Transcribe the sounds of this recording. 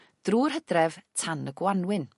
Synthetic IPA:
d̥ruːrɦədrɛv̥tʰanəɡwanwɪn

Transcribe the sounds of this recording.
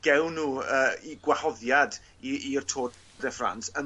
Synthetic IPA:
ɡ̥ɛwnːuːəːiɡwahɔðjad | iːrtʰoː | dɛfra̰nsən

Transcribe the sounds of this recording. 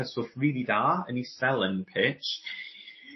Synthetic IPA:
əsʊθɹiːlidaə̃nisɛlˠə̃npʰɪt͡ʃ

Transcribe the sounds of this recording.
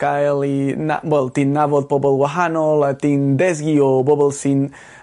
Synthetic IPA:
kajlina̰wɛlt̪ĩnːavot̪̚pobolwaɦanolat̪ind̪ɛs̬ɡiobobəlsin

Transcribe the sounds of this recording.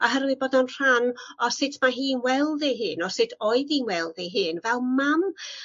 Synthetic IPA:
ɔɦəɾwɪboːdɔnr̥anɔsɪtʰmaɦiːnwɛlˠðɪɦɨːnɔsɪtʰɔɨðinwɛlˠðɛɦɨːnvɛlˠmam

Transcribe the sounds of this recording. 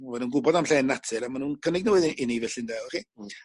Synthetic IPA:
mɔvɛnuːnɡʊbɔdamɬɛːnːatʰɨɾamanuːnkʰənɪɡ̚nəwɪðɪnivɛɬɪndalˠriː

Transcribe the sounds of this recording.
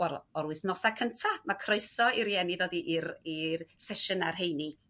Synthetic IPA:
wɛlˠɔɾuɨθnɔsakʰəntʰamakʰroɨsɔiɾjɛniðɔdiʔirirsɛʃənarɦejni

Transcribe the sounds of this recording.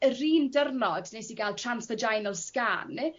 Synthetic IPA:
əriːndərnɔdnejsiɡalˠtʰransfəd͡ʒajnəlˠskanːɪ

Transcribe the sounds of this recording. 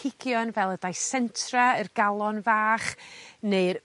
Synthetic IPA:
ɪɡjɔnvɛlˠədajsɛntʰraərɡalˠɔnvaːχneɨr

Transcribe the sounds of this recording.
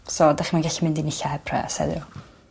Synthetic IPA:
sodaχimanɡaɬimɪndinɪɬahɛpʰrɛ̰sɛ̰ðɪ̰ɔ

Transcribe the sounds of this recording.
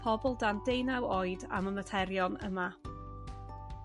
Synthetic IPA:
pʰɔbɔlˠdandejnawɔɨda̰məmətʰɛɾjɔnə̰ma

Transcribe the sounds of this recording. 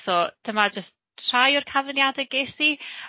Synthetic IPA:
sɔd̥əmad͡ʒəst | r̥ajʊrkʰavənjadɛɡeθi

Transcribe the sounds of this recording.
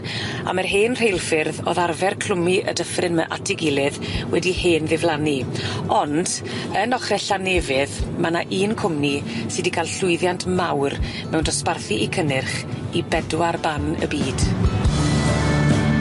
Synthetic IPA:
a̰mərɦeːnr̥ejlˠfɪrðo̰ðarvɛrkʰl̥ʊmiʔə̰dəfrɪnmə̰ʔatʰɪɡɪlˠɨðwɛdiheːnðɪvlˠaniɔnd | ənɔχrɛɬanevɪðmanaʔiːnkʰʊmnisɨdikʰalˠɬʊɨðjantʰmawr | mɛwndɔsparθiʔikʰənɪrχibɛdwarbanə̰biːd̥

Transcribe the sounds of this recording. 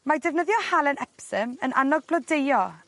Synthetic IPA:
madɛvnəðjɔhalˠənɛpsəmənʔa̰nɔɡ̚blɔdejɔ

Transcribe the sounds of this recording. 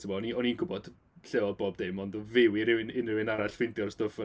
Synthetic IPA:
tʰɪmɔɔniɔninɡʊbɔd̥ | ɬɛwɔdboːb̚demɔndɔvɪwɪɾɪwɪnɪnɪwɪnaɾaɬfɪndjɔrstʊfə

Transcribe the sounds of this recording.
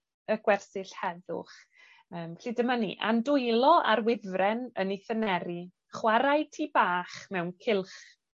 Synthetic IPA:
əɡ̥wɛrsɪɬhɛðʊ̰χ | əːmɬiːdəmanḭʔa̰ndʊjlˠɔʔa̰ɾwɪvrɛnəniθənɛɾi | χwaɾajtʰiːbaːχmɛwnkʰɪlˠχ

